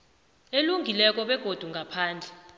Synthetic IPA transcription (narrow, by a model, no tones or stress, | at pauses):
eluŋɡʱilɛk̬ʼɔɓɛɡ̥ʱod̥ʱuŋɡʱapʰaːnd͡ɮʱɛ